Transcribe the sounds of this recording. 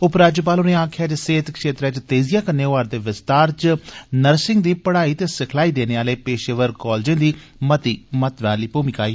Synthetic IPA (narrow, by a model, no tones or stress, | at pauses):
ʊpɾaːd͡ʒop̬aːlʊnẽːaːkʰɪjaːd͡ʒseːt̪kʃeːt̪ɾɛːt͡ʃt̪eːzijaːkəneːoʋaːɾd̪eːʋɪst̪aːɾt͡ʃnəɾsɪŋɡd̪iːpəɽaːiːt̪eːsɪkʰlaːiːd̪eːneːaːleːpeːʃeːʋəɾkɔːld͡ʒẽːd̪iː | mət̪iːmət̪ʋãːliːpuːmikaːiː